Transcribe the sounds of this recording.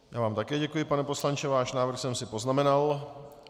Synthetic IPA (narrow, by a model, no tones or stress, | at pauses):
ja̰ːvaːmt̪akɛːɟɛkujɪpanɛpo̞slant͡ʃɛvaːʃnaːvr̩xsɛmsɪpo̞znamɛnal